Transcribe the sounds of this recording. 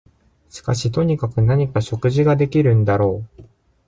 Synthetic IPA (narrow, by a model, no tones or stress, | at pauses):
ɕi̥ka̰ɕit̪o̞ɲ̟ikakɯ̟naɲ̟ikaɕo̞kɯ̟ʑiɡad̪e̞kʲiɾɯ̟̃nd̪aɾo̞ː